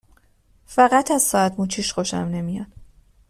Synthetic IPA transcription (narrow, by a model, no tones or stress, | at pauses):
fæɣæt̪ʰæz̥sɒːæt̪muːt͡ʃʰiːʃχoʃæ̰mne̞mijɒn